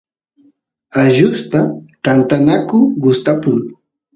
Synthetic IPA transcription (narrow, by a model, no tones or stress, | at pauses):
aʒʊst̪at̪ant̪anakʊɢʊst̪apʊŋ